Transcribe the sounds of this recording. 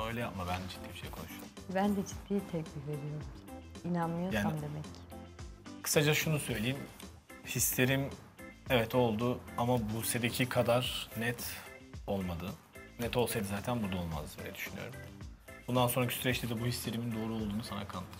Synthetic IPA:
o̞jlʲɛjapmabænd̪ɛd͡ʒit̪ːiːbiʃejikʰo̞nuʃuɛbænd̪ɛd͡ʒid̪ʰːiːt̪ʰɛcbiɾed̪ijoɾuminanmɯjojaːnsaimd̪emɛc | kʰɯ̥sad͡ʒaʃunusø̞jlʲejim | hist̪ʰe̞ɾim | ɛvɛt̪ʰo̞lˠd̪uamabuse̞d̪ecʰikʰad̪aɾnɛt̪ʰo̞lˠmad̪ɯ | nɛt̪ʰo̞lˠsajd̪ɯzaːt̪ʰænbuɾd̪alˠma̰zd̪ḛɛ̰d̪yʃyny̰jo̰ɾumbund̪anso̞nɾacʰisyɾɛt͡ʃlʲid̪ɛbuhist̪ʰe̞ɾimind̪o̞ːɾuo̞lˠd̪uːnusanakʰan

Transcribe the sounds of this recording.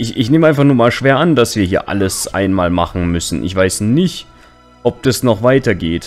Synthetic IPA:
ɪɪçneːməʔaɪnfaχnuːɐmaːlʃv̥eːɐʔand̥asv̥iːɐhiːɐʔa̰ləsʔa̰ɪnmaːlma̰χn̩mʏsn̩ʔɪ̰çv̥aɪsnɪçt | ʔɔp̚d̥asnɔχv̥aɪtɐɡeːt

